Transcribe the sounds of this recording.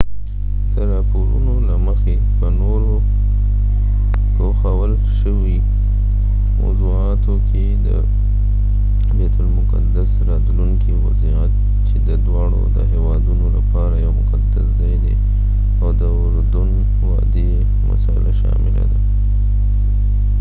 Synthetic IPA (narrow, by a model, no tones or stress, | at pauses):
d̪̥əɾɑpoɾṵnolaməxe | pənoɾo | poxawəl | ʃəwi | ma̰zuɑt̪okʰe | d̪ə̰ | bet̪ʊlmʊkad̪asɾɑd̪luŋkʰiwaziat̪̚ | t͡ʃed̪əd̪wɑɽo̰d̪ə̰ɦewɑd̪unolapɑɾajawmʊqad̪aszɑjd̪ḛ | awd̪əʊɾd̪ʊn | wɑd̪e | ma̰sɑɪlaʃɑ̰mɪla̰d̪a